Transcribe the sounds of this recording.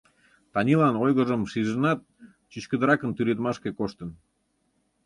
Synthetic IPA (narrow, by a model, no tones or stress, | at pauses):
t̪ɑnʲilɑnojɣə̆ʒəmʃiʒənɑt̪̚ | t͡ɕyt͡ɕkə̆d̪əɾɑkənt̪yɾet̪mɑʃkʲekoʃt̪ə̆n